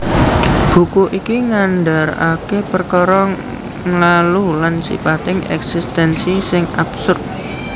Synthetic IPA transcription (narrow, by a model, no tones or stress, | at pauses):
b̥ṳkuʔikiŋanɖa̤ɾakepərkɔɾɔŋ | lalulansḭpat̪ɪŋɛ̰ksist̪ɛnsisɪŋab̥sʊrt̪̚